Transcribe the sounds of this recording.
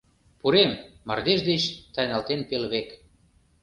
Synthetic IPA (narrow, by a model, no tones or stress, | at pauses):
puɾemːɑ̰rd̪eʃd̪et͡ɕt̪ɑjnɑlt̪enpelβek